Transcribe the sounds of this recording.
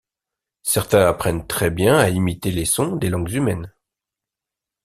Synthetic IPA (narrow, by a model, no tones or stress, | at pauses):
sɛʁt̪ɛ̃apχɛnt̪χɛbjɛ̃aimit̪elesɔ̃d̪elɑ̃ɡzymɛn